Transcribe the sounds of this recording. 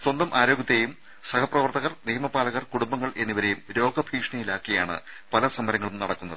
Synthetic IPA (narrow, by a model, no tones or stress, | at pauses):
swɐnd̪ɐmʔaːɾo̞ːɡɐt̪ːejum | sɐkʰɐprɐʋɐrt̪ɐɣɐrniːmɐpaːlɐɣɐrkuɽumbɐŋːɐɭʔe̞nːiʋɐɾe̞jumɾo̞ːɡɐbʱiːkʂɳɐjilaːkːijaːɳɨ̰ | pɐlɐsɐmːɐɾɐŋːɐɭumnɐɽɐkːunːɐðɨ